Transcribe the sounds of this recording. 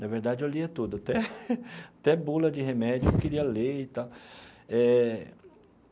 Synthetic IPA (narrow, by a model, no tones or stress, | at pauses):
nɐveɾd̪ad͡ʒɪewliɐt̪ud̪ʊat̪ɛ | at̪ɛbulɐd͡ʒɪhemɛd͡ʒʊewkeɾiɐleit̪awɛ